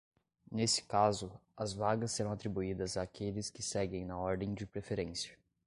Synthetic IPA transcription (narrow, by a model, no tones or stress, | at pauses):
nesɪ̥kazʊɐzvaɡɐsːeɾɐ̃w̃at̪ɾibuid̪ɐzaːkʰelɪskɪsɛɡẽj̃nɐɔɾd̪ẽj̃d͡ʒɪpɾefeɾẽsiɐ̥